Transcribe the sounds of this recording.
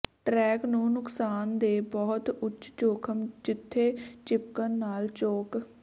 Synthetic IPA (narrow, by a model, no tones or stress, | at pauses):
ʈɾɛːknũːnʊksaːnd̪eːbɔːt̪ʊt͡ʃt͡ʃoːkʰəmd͡ʒɪt̪ʰːeːt͡ʃɪp̚kənːaːlt͡ʃoːk